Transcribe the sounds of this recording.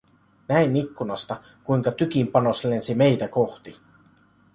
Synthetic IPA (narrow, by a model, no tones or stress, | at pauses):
næinikːunɑst̪ɑ | kujŋkɑt̪yk̟impɑno̞sle̞nsime̞jt̪æko̞xt̪i